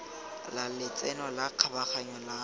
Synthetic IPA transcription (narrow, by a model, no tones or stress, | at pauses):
lalɪt͡sʼɛnɔlaq͡χʰabaχaɲɔla